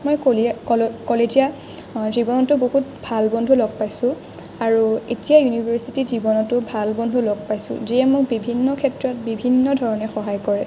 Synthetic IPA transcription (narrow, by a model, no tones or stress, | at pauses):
mɔj | kɔlezija | zibɔnɔtʊboɦutbʱalbɔndʱulɔɡ̚pajsʊ̃ | aɹuetijajunibʱaɹsitizibɔnɔtʊbʱalbɔndʱulɔɡ̚pajsʊ̰̃zijɛmʊk̚bibʱinːɔkʰɛtɹɔt̚bibʱinːɔdʱɔɹɔnɛxɔɦajkɔɹɛ